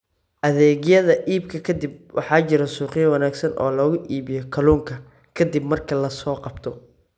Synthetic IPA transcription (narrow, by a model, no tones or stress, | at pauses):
ʔɐðɛːɣjɐðɐʔiːbkʰɐkʰɐd̪ibwʔɑ̰ħɑːt͡ʃɪɾɐsuːqɪjɐwɐnaːɡsɐnɔ̰ːlɔɣʊʔiːβɪjɔkʰɐluːŋkʰɐ | kʰɐd̪ibmɐrkʰɐlɐsɔːqɑbt̪ʰɔ